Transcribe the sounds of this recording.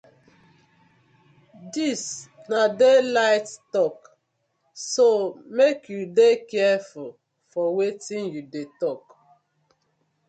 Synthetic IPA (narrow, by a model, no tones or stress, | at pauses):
disnadelaɪttɔk | somekʰjudekɛful | fɔwetĩnjudetɔk